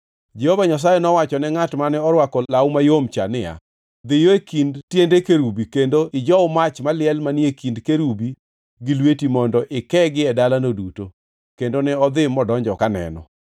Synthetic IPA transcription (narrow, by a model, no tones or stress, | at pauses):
d͡ʒehovaɲas̬ajɛnɔwat͡ʃɔnɛŋatmanɛɔɾwakɔlawmajomt͡ʃa̰nɪja̰ | d̪ɪjoekindtjendekeɾubikendoʔɪd͡ʒɔʊmat͡ʃmalɪɛlmaniekindkeɾubi | ɡɪlwetimɔndɔʔɪkɛɡɪɛdalanoduto | kendonɛɔd̪ɪmɔdɔɲd͡ʒɔkanɛ̰nɔ̰